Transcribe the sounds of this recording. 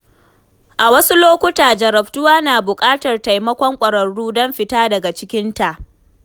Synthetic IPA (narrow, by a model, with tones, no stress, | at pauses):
ʔa˨wɐ˦su˦loː˦kʷʊ˦taː˨d͡ʒɐ˨ɾɐ˨ɸtʊ˦waː˦naː˨bʊ˨kʼaː˦tɐ˨rta˨jmɐ˦kʷɔ˦ŋkʷʼɐ˨ɾɐ˨ɽːuː˦dɔ˦mɸɪ˨taː˦dɐ˨ɡa˨t͡ʃɪ˦kʲɪ˦nta˨ʔ